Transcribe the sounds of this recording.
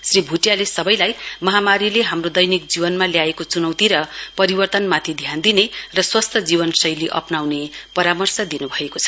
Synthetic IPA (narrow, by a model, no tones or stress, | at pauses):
sribʱuʈjalesʌbʌjlajmʌɦamaɾileɦamrod̪ʌjnikd͡zibʌnmaljaekot͡sunʌwt̪iɾʌpʌɾibʌrt̪ʌnmat̪ʰid̪ʱjand̪inerʌswʌst̪ʰʌd͡zibʌnsʌjleʔʌ̰pnawnepʌɾamʌrsʌd̪inubʱʌekot͡sʰʌ̥